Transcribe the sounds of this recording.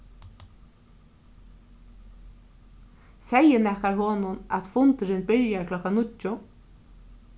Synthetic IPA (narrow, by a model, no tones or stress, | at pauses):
sɛjənɛhkaɾɦɔːnʊna̰t̪fʊnt̪ɾɪnbɪɾjaɹkʰlɔkːanʊt͡ʃːʊ